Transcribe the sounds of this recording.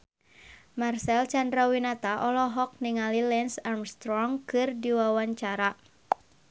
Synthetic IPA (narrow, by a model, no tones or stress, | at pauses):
marsɛlt͡ʃandɾawinat̪aʔɔlɔɦɔk̚niŋalilɛnsarmst̪ɾɔŋkɨrdiwawaɲt͡ʃaɾa